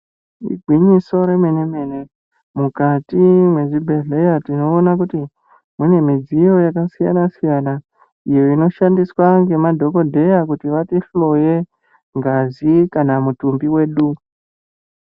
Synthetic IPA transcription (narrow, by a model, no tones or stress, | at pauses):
ḭɡʱwiɲiso̞ɾe̞me̞ne̞me̞ne̞ | mukatimwe̞ʐibʱe̞ɮe̞jatino̞ːnakuti | mune̞mid͡zijo̞jakasija̰nasijana | ijo̞ino̞ʃandiswaŋɡe̞madʱo̞ko̞dʱe̞jakutiʋatiflo̞je̞ | ŋɡazikanamutumbiwe̞ːɗu